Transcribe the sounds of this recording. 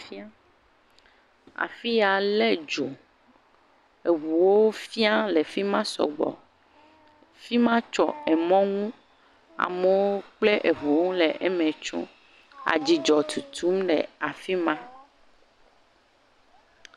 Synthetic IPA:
fi˦a˦ | a̰˨fi˦a˨lɛ˦d͡ʒo˨ | e˨βu˨wo˦fi˦a˦lɛ˨fi˦mã˦sɔ̰˨ɡ͡bɔ̰˨ | fi˦mã˦t͡ʃɔ̰˦ɛ˨mɔ̃˦ŋũ˦ | a̰˨me˨wo˦k͡ple˦ʔe˨βu˨wo˦ũ˦lɛ˨ʔɛ˦mɛ̃˨t͡ʃṵ̃˦ | a̰˨d͡ʒi˨d͡ʒɔ˨t̪ʰu˨t̪ʰu˦mɖɛ˨a˨fi˦mã˦

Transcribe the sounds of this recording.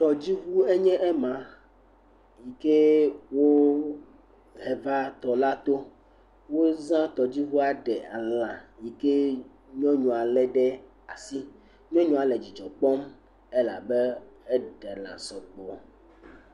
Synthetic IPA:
t̪ɔ˨d͡ʑi˦ɦu˦e˦ɲɛ̃˦ʔɛ˦mã˨ | ji˨ke˦wo˦ | ɦɛ˨va˦t̪ɔ˨la˦t̪o˦ | wo˦zã˦t̪ɔ˨d͡ʑi˦ɦu˦a˨ɖɛ˨a̰˨lã˨ji˨ke˦ | ɲɔ̃˦ɲɔ̃˨a˨lɛ˦ɖɛ˦ | a˨si˦ | ɲɔ̃˦ɲɔ̃˨a˨lɛ˨d͡ʑi˨d͡ʒɔ˨k͡pɔ˦m | e˦la̰˨bɛ˦ɛ˦ɖɛ˨lã̰˨sɔ˨k͡pɔ˨

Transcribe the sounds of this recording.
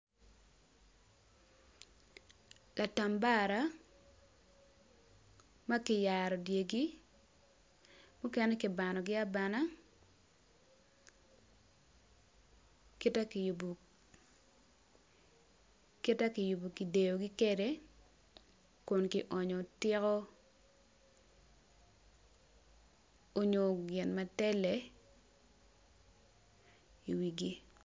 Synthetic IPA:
la˨ta˨mba˦ɾa˦ | ma˦kɪ˨ja˨ɾɔ˨dje˨ɡi˦ | mu˦kɛ˦nɛ˦kɪ˨ba˨nɔ˨ɡɪ˦a˦ba˨na˦ | ki˦ta˦kɪju˨b | ki˦ta˦kɪ˨ju˨bo˨ki˨de˨jo˨ɡɪ˦ke˦de˦ | kʊ˨nkɪ˨ʔɔ˨ɲɔ˨tɪ˦kɔ˦ | o˦ɲo˨ɡɪ˨nma˨tɛ˦lɛ˨ | i˨wi˨ɡi˦

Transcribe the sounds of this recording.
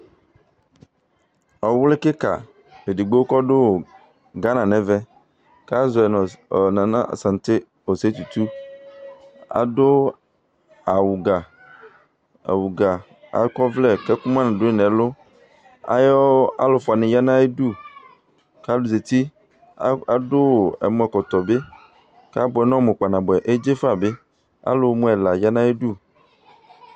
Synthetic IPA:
ɔ˨wle˦ke˦ka̰˨ | e˨di˨ɡ͡bo˦kɔ˦ɖo˦w | ɡa˦nã˨nɛ̃˨vɛ˦ | ka˦zɔ˨ɛ˨n˨nã˨nã̰˦˨sã˨n˨t̪ɪ˦ | o˨se˦t̪u˨t̪u˦ | a̰˨dʊ˦ | a˨wu˨ɡa˨ | a̰˨wu˨ɡa˨ | a̰˨˦kɔ˦vlɛ˨kɛ˦ku˦mã˦nã˨ɖʊ˦e˦nɛ̃˨lʊ˦ | a̰˦jɔ˦a̰˦lo˨fʊ˨a˨nɪ̃˨ja˦nã˦e˦du˦ | ka˦dʊ˨ze˨t̪i˦ | a˦dʊ˦˨ɛ̰˨mɔ̃˦ɛ˨kɔ˨t̪ɔ˨be˦ | ka˦bʊ˨ɛ˨˦nɔ̃˦mẽ˨k͡pa˨nã˨bɛ˨ʔe˦d͡ʒe˦fa˨be˦ | a̰˦lo˨˦mũ˦ɛ˨la˨ja˦nã˦e˦ɖu˦˨

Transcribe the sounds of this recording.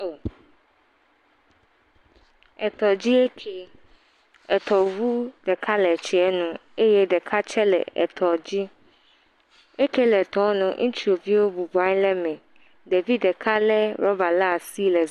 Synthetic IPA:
o˨ | ɛ˨t̪ɔ˨d͡ʑi˦e˦kʰe˦ | ɛ˨t̪ɔ˨vu˦ɖ̥ɛ˨kʰa˦lɛ˨t͡ʃɛ˨ɛ˦nũ˦e˦jɛ˦ɖɛ˨kʰa˦t͡ʃɛ˦lɛ̰˨ɛ̰˨t̪ʰɔ˨d͡ʑi˦ | e˦ke˦lɛ˨t̪ɔ˦wnũ˨ŋũ˦t͡ʃi˦o˨vi˦wo˦bu˨ba˨˦ɲ˦lɛ˦mɛ̃˨ | ɖe˨vi˦dɛ˨kʰa˦lɛ˦ɾɔ˦ba˨la˦a˨si˦lɛ˨z

